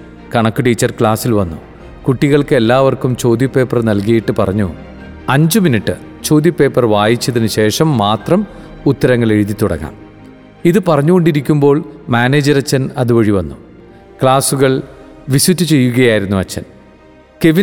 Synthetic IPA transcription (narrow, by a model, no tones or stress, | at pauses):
kɐɳɐkːɨʈiːt͡ɕːɐrkɭaːsilʋɐnːṵ | kuʈːiɣɐɭkɨelːaːʋɐrkumt͡ɕo̞ːd̪jɐpːe̞ːpːɐrnɐlkɐjiʈːɨpɐrɐɲːu | ɐɲd͡ʑuminiʈːɨ | t͡ɕo̞ːd̪jɐpːe̞ːpːɐrʋaːjit͡ɕːɐðinɨɕe̞ːʂɐmːaːt̪rɐm | ut̪ːɐɾɐŋːɐɭe̞ɻuðit̪ːuɽɐ̰ɣa̰ːm | iðɨpɐrɐɲːuɣo̞ɳɖiɾikʲːumbo̞ːɭmaːneːd͡ʑɐɾɐt͡ɕːɐnɐðuʋɐɻiʋɐnːu | kɭaːsuɣɐɭ | ʋisutːut͡ɕe̞jːuɣɐjaːjiɾunːuɐt͡ɕːɐn | ke̞ʋi